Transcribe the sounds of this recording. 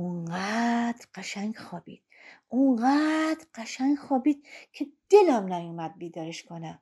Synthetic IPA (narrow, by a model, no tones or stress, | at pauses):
oɴɢæːd̪̥ɾɢæʃæŋɡxɒːbḭːd̪̥̚ | oɴɢæːd̪̥ɾɢæʃæŋɡxɒːbiːd̪̥̚kʰed̪̥elæmnæjumæd̪̚biːd̪ɒːɾeʃkʰonæ